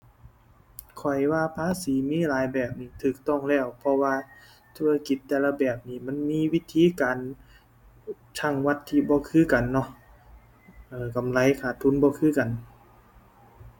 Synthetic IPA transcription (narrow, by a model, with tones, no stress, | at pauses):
kʰɔ˨˩jwaː˧˨pʰaː˧˥˨siː˨˦miː˧˥˨laː˨˦jbɛː˨˩p̚niː˧˩t̪ʰɯː˨˩k̚t̪ɔ˧˥˨ŋlɛː˧˩wpʰɔ˧waː˧ | t̪ʰu˧˥a˧ki˨˩˦t̪ːɛː˧˩la˧bɛː˨˩p̚niː˧˩ma˧˥˨nmiː˧˥˨wi˧˥t̪ʰiː˧˨kaː˨n | t̪ʰa˧˩ŋwa˧t̪ʰːiː˧bɔː˧kʰɯː˧˥˨ka˨nːɔ˧˨ʔ | ʔɤː˧˩ka˨mla˧˦˨jkʰaː˨˩t̪ʰːu˧˥˨nbɔː˧˦kʰɯː˧˥˨ka˨n